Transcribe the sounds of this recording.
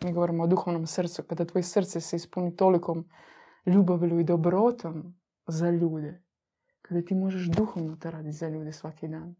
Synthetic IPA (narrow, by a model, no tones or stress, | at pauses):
miɡo̞ʋoɾimood̪uxoʋnomsr̩t̪sukad̪at̪ʋojesr̩t̪sɛseispunit̪olikʰom | ʎuːbaʋlʲuid̪obɾot̪ʰom | zaʎuːd̪e | kad̪at̪iːmoʒeʃd̪uxoʋnot̪oɾaːd̪it̪ʲzaʎuːd̪esʋakid̪aːn